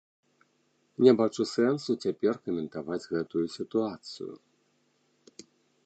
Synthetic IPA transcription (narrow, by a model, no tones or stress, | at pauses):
nʲɛbat͡ʂusɛnsut͡sʲapʲɛrkɐmʲɛnt̪avad͡zʲɣɛt̪ujusʲit̪uat̪sɨ̰jṵ